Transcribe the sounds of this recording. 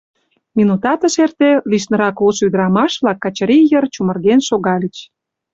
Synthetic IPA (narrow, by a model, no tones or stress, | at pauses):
minut̪ɑt̪ə̆ʃert̪eliʃnə̆ɾɑkosyd̪əɾɑmɑʃβlɑkːɑt͡ɕɾijərt͡ɕumə̆rɣenʃoɣɑlʲət͡ɕ